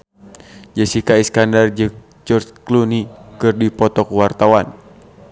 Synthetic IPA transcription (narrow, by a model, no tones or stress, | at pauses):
d͡ʒəsikaiskandard͡ʒɨŋ | d͡ʒɔrt͡ʃklunikɨrdipɔt̪ɔkuwart̪awan